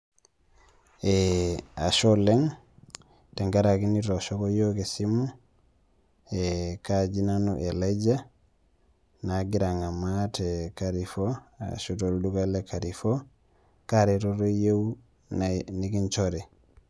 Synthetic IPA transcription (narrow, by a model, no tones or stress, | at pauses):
eaʃoleŋ | teŋɡaɾakiniɾoʃokojokesimu | ekad͡ʒinanuʔelad͡ʒa | naɡiɾaŋamatekaɾifoa̰ʃutoldukalekaɾifo | kaɾiɾoɾojew | nikint͡ʃoɾɛ